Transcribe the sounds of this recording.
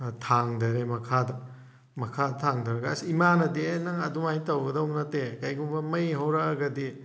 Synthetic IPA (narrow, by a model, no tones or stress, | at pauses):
tʰaŋdɐɾemɐkʰadɐ | mɐkʰadtʰaŋdɐɾɐɡasiimanɐdenɐŋɐduŋajtɐwɡɐdɐuŋnɐtekajɡuŋbɐmɐjɦawɾɐɡɐdi